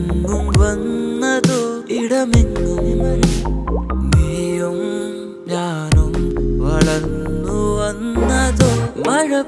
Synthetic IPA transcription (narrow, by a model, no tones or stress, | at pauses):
nːumʋɐnːɐd̪oiɽɐminːunimɐɾi | meːjɐm | jaːɾɐmʋɐɭɐnːuʋɐnːɐd̪omɐɻɐ